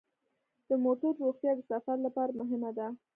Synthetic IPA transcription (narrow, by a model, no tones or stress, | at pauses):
d̪̥əmoʈaɾːoxt̪jɑd̪əsafaɾlapɑɾamʊɦɪmad̪a